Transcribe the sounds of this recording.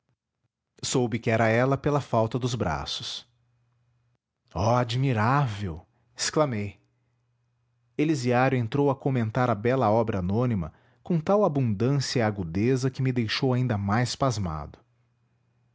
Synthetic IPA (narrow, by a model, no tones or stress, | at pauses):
sowbɪkɪɛɾɐɛlɐpelɐfawt̪ɐd̪ʊzbɾa̰sʊ̥s | ɔad͡ʒmiɾavew | esklamej | eliziaɾjʊẽnt̪ɾowɐkomẽnt̪aɾɐbɛlɐɔbɾɐanõnimɐ̰ | kõt̪awabũnd̪ɐ̃siɐiaɡud̪ezɐkɪmɪd̪ejʃowaĩnd̪ɐmajspazma̰d̪ʊ